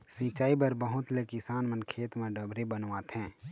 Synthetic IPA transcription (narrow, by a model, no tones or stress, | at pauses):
sĩːt͡ʃaːibəɾbəɦʊt̪lekɪsaːnmə̃nkʰeːt̪mẽɖəbɾebənʋaːt̪ɦɛ̃ː